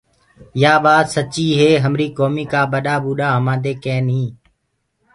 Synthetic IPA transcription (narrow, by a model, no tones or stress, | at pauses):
jaːɓaːsət͡ʃiːɦeːɦəmɾiːkoːmiːkaːɓəɗaːɓuːɗaːɦəmãːd̪eːkeːnɦĩː